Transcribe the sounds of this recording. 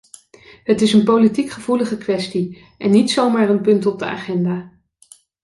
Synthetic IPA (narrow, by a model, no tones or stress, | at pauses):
ɦətɪsənpowlitikχəvuləχəkʋɛsti | ʔɛnːitsowmaːɹənpɵntɔb̚dəa̰ːχɛndaː